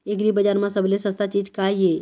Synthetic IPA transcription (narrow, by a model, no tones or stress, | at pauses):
eɡɾibəd͡ʒaɾmãsəblesə̃st̪at͡ʃiːd͡ʒkaije